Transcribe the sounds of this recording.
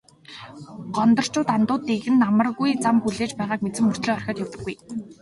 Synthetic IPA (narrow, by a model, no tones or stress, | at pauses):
ɢ̥ɔnt̪ɞ̆r̥t͡ɕʊːt̪ant̪ʊːt̪eɣɘ̆nːamə̆rɣujt͡sampuɮeːt͡ɕpæːʁaːkmet͡sɘ̆mːɵr̥t̪ɮiːχɔrxʲɔ̆ːt̪jɔwt̪ɘ̆ɡːuj